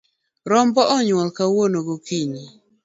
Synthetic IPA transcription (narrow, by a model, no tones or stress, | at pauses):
ɾɔmbɔʔɔɲwɔlkawonoɡokiɲi